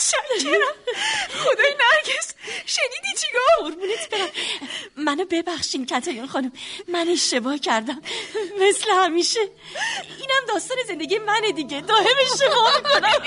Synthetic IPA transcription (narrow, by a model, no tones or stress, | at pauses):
ʃæ | χo̞d̪ɒːjnæɾɟesʃeniːd̪it͡ʃʰeɡɒːhoɾmuːnit̪ʰb̥eɾæmmænobe̞bæxʃiːncʰæt̪ʰɒːjunxɒːnumːæne̞ʃt̪e̞bɒːhcʰæɾd̪æmːe̞slehæmiːʃe | iːnæmd̪ɒːst̪ɒːne̞ze̞nd̪e̞ɡijemæne̞d̪iɟe̞d̪ɒːhe̞me̞ʃt̪e̞bɒːmikʰo̞næ